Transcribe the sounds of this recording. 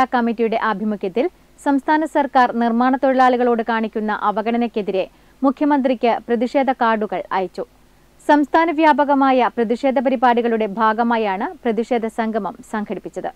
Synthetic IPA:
akɐmitːijuɽe̞ʔɐbʱimukjɐt̪ːil | sɐmst̪ʰaːnɐsɐrkaːrnirmaːɳɐt̪ːo̞ɻɐɭaːɭuɣɐɭoːɽɨkaːɳikʲːunːɐ̰ʔɐʋɐɣɐɳɐnɐkʲːeðiɾe̞ | mukʰjɐmɐnd̪rikʲːɨprɐðiʂe̞ːd̪ʱɐkaːrɖuɣɐɭɐ̰ːjɐt͡ɕːu | sɐmst̪ʰaːnɐʋjaːbɐɣɐmaːjɐprɐðiʂe̞ːd̪ʱɐp̬ɐɾibaːɽiɣɐɭuɽe̞bʱaːɡɐmaːjaːɳɨprɐðiʂe̞ːd̪ʱɐsɐŋɡʱɐmɐmsɐŋɡʰʱɐɽipːit͡ɕːɐðɨ

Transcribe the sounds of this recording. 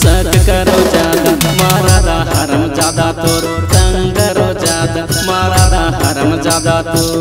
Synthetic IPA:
sɐt͡ʃkɐɾoːd͡ʒaːd̪maːɾaːd̪aːɦɐɾɐmɐd͡ʒaːd̪aːt̪oɾsɐŋkɐɾod͡ʒaːd̪maːɾaːd̪aɦɐɾɐmɐd͡ʒaːd̪aːt̪oɾ

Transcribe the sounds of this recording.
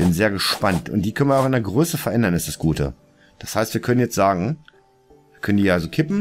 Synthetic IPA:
b̥ɪnzeːɐɡəʃpantʊ̰ntd̥iːkʰœn̩viɐaʊxɪndeːɐɡʁøːsəfɛɐʔɛndɐnɪstd̥asɡ̥uːtʰə̰ | d̥ashaɪstv̥iːɐkʰœnənjɛt͡stz̥aːɡŋ̩ | viːɐkʰœnəndiːalzokʰɪpm̩

